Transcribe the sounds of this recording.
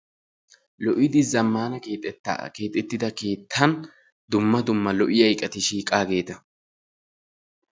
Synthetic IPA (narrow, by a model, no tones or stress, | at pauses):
lɔʔɪd̪ɪzɐmːaːnɐkeːt̪ʼtːke̞ːt̪ʼːɛt̪ːɪd̪ɐke̞ːt̪ʰːɐn | d̪ʊmːɐd̪ʊmːɐlɔʔɪjɐjkʼɐt̪ɪʃiːkʼaːɡe̞ːt̪ɐ